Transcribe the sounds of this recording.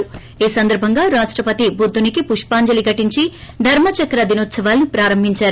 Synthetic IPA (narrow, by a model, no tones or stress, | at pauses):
iːsɐnd̪ɐɾbʱɐŋɡaːɾaːʂʈɾɐpɐt̪ibud̪ːunikipuʂpaːɲd͡ʒɐliɡɐʈiɲt͡ʃid̪ʱɐɾmɐt͡ʃɐkɾɐd̪inut̪sɐʋaːlnipɾaːɾɐmbʱiɲt͡ʃaːɾu